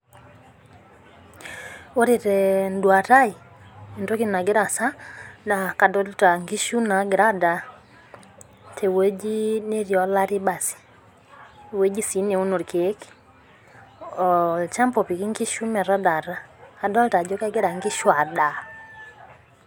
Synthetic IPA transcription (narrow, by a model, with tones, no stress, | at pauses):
o˦ɾi˨ɾɛ˨ndwa˨ta˦i˨ | e˨nto˦ki˦na˨ɡɪ˦ɾa˨sa˦na˨ka˨dɔ˦lta˨ŋɡi˦ʃu˦na˨ɡɪ˨ɾa˦da˨ | tʰe˨we˦d͡ʒi˦ne˦ɾjɔ˦la˦ɾɪ˦ba˨si̥˨ | we˦d͡ʒi˦si˨˦ne˨u˦no˨ɾkʰe˨˦k | ɔ˨lt͡ʃa˦mpɔ˨pi˨ki˦ŋɡi˦ʃu˦mɛ˨ɾa˦da˨ɾaː˦˨dɔ˦lta˨d͡ʒɔ˦kɛ˦ɡɪ˦ɾa˨ŋɡi˦ʃwa˨da˨